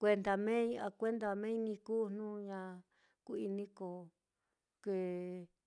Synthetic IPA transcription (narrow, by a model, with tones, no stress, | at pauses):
kʷe˧nd̪a˧mẽ˦˧a˧kʷe˦nd̪a˧mẽ˦nĩ˧kuː˦n̥nũ˦ɲã˧ | ku˧i˧nĩ˦ko˨ | ke˧˨